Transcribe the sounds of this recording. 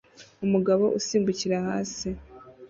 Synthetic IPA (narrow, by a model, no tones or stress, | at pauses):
umuɡaβo̞̰ʔusiːmbuciɾahaːsi